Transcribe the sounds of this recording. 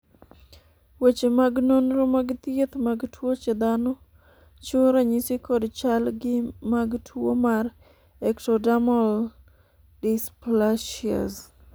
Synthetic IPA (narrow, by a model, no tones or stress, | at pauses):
wet͡ʃemaɡnonɾomaɡt̪jet̪maɡtwot͡ʃed̪anɔ | t͡ʃʊɾaɲɪsɪkɔdt͡ʃalɡɪmaɡtʰwo̰maɾ | ɛktɔdamol | dɪsplaʃia̰z